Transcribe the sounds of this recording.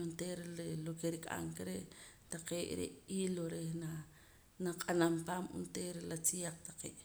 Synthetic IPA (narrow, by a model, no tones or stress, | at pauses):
unt̪eːɾelokeɾikʼa̰ŋkeɾeʔ | t̪aqeːʔɾḛʔiːloɾehna | naqʼanampaːmṵnt̪eːɾelat͡sijaq͡χt̪ḁqḛːʔ